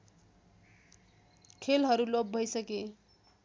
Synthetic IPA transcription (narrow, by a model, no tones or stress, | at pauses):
kʰelɦʌɾulob̚bʱʌjsʌke